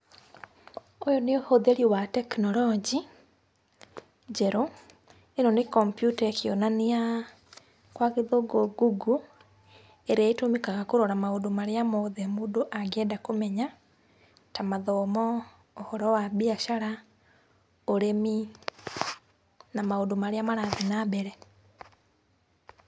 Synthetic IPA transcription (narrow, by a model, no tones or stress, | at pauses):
ojɔneohoðeɾiwatɛknɔlɔd͡ʒi | d͡ʒɛɾo | enɔnekɔmpjutaekionanea | kwaɣeðoɡoɡuɡu | eɾeaitomekaɣakoɾɔɾamaodomaɾeamoðɛmudoʔaɡɛdakomɛɲa | tamaðɔmɔː | hɔɾɔwabiaʃaɾa | oɾemi | namaodomaɾeamaɾaðɛnabɛɾɛ